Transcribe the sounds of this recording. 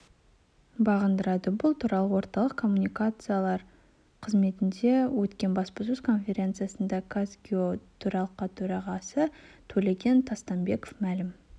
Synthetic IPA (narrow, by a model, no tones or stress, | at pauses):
bɑʁənd̪əɾɑd̪əbʊlˠt̪ʰuɾɑlˠəwo̞ɾt̪ɑlˠəqkʰo̞mːunijkat̪sɨjalˠɑɾ | qʰəzme̞t̪ɪnd̪e̞wɵt̪kʲe̞nbɑspɑsʉz̥kʰo̞nfʲe̞ɾʲe̞nt̪sɨjasənd̪ɑkʰasɡʲiot̪ʰɵɾɑlˠəqːɑt̪ʰɵɾɑʁɑsət̪ʰɵle̞ɡʲe̞nt̪ʰɑst̪ɑmbe̞ko̥fmælɪm